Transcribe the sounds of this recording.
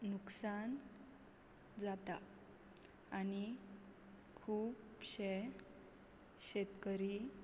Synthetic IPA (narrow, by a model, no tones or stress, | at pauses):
nuksan | d͡zat̪a | ani | kʰuːpɕe | ɕet̪kəɾi